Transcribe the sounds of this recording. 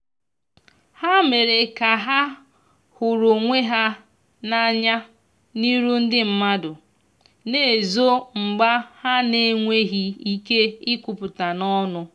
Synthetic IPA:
ha˦me˨ɾe˨ka˨ɦa˦ | hʊ˨ɾʊ˨ŋʷe˦ɦa˦ | na˦ɲa˦ | ni˦ɾu˦n̩˦dɪ˦m̩˦ma˦dʊ˨ | ne˦e˨zo˦ŋ͡m̩˨ɡ͡ba˦ha˦ne˨ŋʷe˦ɦi˦i˦ke˦ɪ˦kʷu˨pʊ˨ta˨nɔ˦nʊ˦

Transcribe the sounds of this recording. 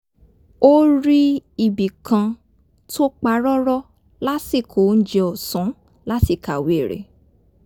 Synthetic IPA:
o˦ɾi˦i˨bi˨kã˧ | to˦k͡pa˦ɾɔ˦ɾɔ˦ | la˦si˦˨kʰo˨˦˧n̩˦d͡ʒɛ˧ɔ˨sɔ̃˨˦ | la˦ti˦˨ka˨wi˨˦e˨ɾḛ˨

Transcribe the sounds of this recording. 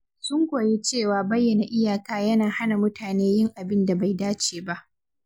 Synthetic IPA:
sʊ˦ŋɡʷoː˨je˦t͡ʃeː˦˨waː˦bɐ˦jːɐ˨na˨ʔɪ˦jaː˨kaː˦jɐ˦naː˨ha˦na˨mʊ˦tʰaː˨neː˦jɪ˦ŋʔa˨bɪ˦nda˨ba˨jdaː˦t͡ʃeː˨ba˦ʔ

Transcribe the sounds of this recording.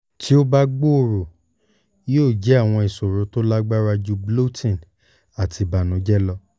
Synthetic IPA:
ti˦o˦ba˦ɡ͡bo˦o˨ɾo˨˦ | oː˦˨d͡ʒɛ˨˦a˦˨w̃ɔ̃˧i˨so˨ɾo˨˦to˦la˦ɡ͡ba˦ɾa˧d͡ʒu˧blo˦tĩ˦˨n | a˨tʰi˧ba˨nũ˨˦d͡ʒɛ˦lɔ˧

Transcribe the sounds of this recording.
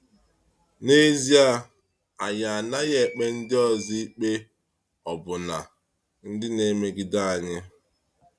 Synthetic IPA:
ne˦zi˦a˦ | a˨ja˨a˨na˦ɣe˦˨k͡pe˦n̩˦dɪ˦ɔ˨zi˦k͡pe˦ | ɔ˨bʊ˨na̰˨ | n̩˦dɪ˦ne˦me˦ɡɪ˨da˦a˨ɲɪ˦

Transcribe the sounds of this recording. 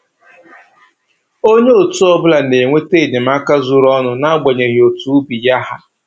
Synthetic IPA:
o˦ɲe˦o˨tu˦ɔ˦bʊ˦la˨ne˨ŋʷe˦te˦˨de˨m̩˦a˦ka˦zu˨ɾɔ˦nʊ˨na˦ɡ͡be˨ɲe˨ɣi˨o˨tu˦bi˨ja˦ɦa˦

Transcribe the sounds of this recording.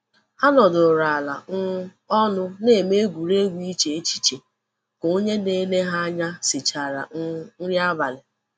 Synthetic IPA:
a˦nɔ˨dʊ˨ɾa˨la˨n̩˦ | ɔ˦nʊ˦ne˨me˦ɡʷu˨ɾe˦ɡʷi˦t͡ʃe˨e˦t͡ʃi̥˦t͡ʃe˨ | ko˨˦ɲe˦ne˦ne˦ɦa˦a˦ɲa˦sɪ˨t͡ʃa˨ɾa̰˨n̩˦n̩˦ɾja˦ba˨lɪ˨

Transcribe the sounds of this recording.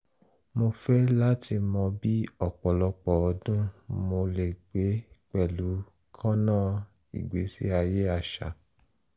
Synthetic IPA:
mo˧fɛ˦la˦ti˧mɔ̃˧bi˦ɔ˦˨k͡pɔ˨lɔ˧k͡pɔ˨ɔ˨˧dũ˦mo˧le˨ɡ͡be˨˦k͡pɛ˨lu˨˦ | kʰã˦nãː˦˨ | ḭ˨ɡ͡be˨˦sḭ˦a˧je˦a˧ʃa̰˨

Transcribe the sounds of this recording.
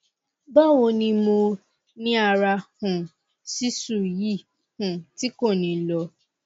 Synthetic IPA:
ba˦˨wo˧nĩ˧mo˧ | nĩ˦a˧ɾa˧hũ˨ | si˦su˦˨ji˦˨ | hũ˨ti˦ko˦˨nĩ˨lɔ˧

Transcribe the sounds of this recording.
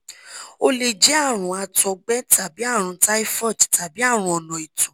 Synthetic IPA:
o˦le˧d͡ʒi˨˦a˦˨ɾ̃ũ˨˦a˧tɔ˧ɡ͡bɛ˦tʰa˨bi˨˦a˦˨ɾ̃ũ˨˦ta˦i˦fɔ˦˨tta˨bi˨˦a˦˨ɾ̃ũ˧˦ɔ˨nɔ̃˨i˨tɔ̃˨

